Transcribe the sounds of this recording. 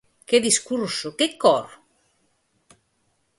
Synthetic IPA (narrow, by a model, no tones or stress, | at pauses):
ked̪iskuɾsokekːɔɾ